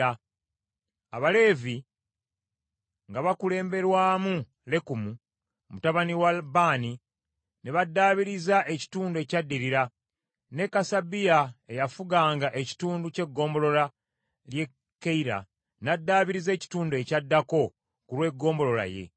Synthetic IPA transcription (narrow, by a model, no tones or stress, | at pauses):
aβale̞ːvi | ŋɡaβakule̞ːmbe̞ɾwaːmu | le̞kumu | mutaβaniwabaːni | neβadːaːβiɾizaʔe̞ci̥tuːndue̞cadːiɾiɾa | ne̞kasabijae̞jafuɡaːŋɡaʔe̞ci̥tuːnduce̞ɡːo̞ːmbo̞lo̞la | lje̞ | kːeiɾa̰ | nadːaːβiɾize̞ːci̥tuːndue̞cadːako̞ | kulwe̞ɡːo̞ːmbo̞lo̞la̰je̞̰